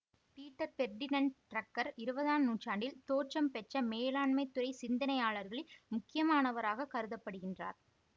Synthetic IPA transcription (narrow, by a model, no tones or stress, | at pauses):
piːʈːɐɾfɛɾɖɪnɐnʈɾɐkːɐɾɪɾɯbɐðaːnnuːt͡ʃaːɳɖɪlt̪oːt͡ʃɐmpɛʈt͡ʃːɐmeːlaːɳmɐɪt̪ːʊɾɐɪsɪnd̪ɐnɐjaːɭɐɾɣɐɭɪlmʊkːɪjɐmaːnɐʋɐɾaːɣɐkɐɾɯðɐpːɐɽɯɣɪndra̰ːɾ